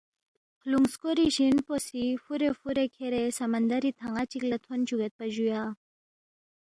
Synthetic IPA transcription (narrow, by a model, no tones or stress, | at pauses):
kʰluŋskoɾiɕinposifuɾefuɾekʰeɾesɐmɐnd̪aɾit̪ʰaŋat͡ɕiklat̪ʰont͡ʃuɡet̪̚pɐʑuja